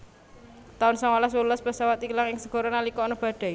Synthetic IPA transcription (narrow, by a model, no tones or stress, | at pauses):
t̪aʊnsɔŋwalas̬wulɔspəsawat̪ilaŋɪŋsəɡ̥ɔ̤ɾonalikɔːnɔb̥ä̤ɖ̪̥ɛ̤